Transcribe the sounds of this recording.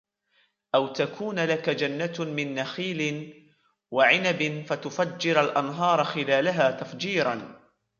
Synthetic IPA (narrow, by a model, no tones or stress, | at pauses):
ʔawt̪akuːnlakad͡ʒanːamɪnːaxiːlɪn | waʕɪnabɪnfat̪ʊfad͡ʒːɪɾalʔanɦɑːɾˤxɪlaːlaɦaːt̪afd͡ʒiːɾˤɑn